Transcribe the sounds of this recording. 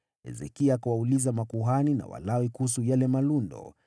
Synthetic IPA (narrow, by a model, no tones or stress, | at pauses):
ɛ̰zɛ̰kiakawaulizamakuɦanina̰wa̰lawikuhus̬ujalɛmalundɔ̰